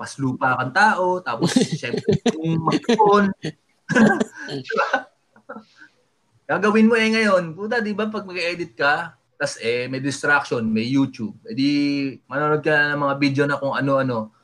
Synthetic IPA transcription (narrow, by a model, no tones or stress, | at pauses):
pɐsluːpɐkɐŋt̪aːʔo̞t̪aːposʃɛmpɛŋmɐɡpon | d̪ɪba | kaːɡɐwɪnmoʔɛŋɐjo̞npunt̪ɐd̪ɪbap̬ɐɡ̚mɐɡʔɛːd̪ɪt̪̚kɐ | t̪ɐsʔɛmɛjd̪ɪst̪ɾak̚ʃonmɐjːuːt͡ʃub̚pɛːd̪ɪmɐnanod̪̚kɐlanɐŋmɐŋabid̪jonɐkʊŋɐno̞ʔɐno̞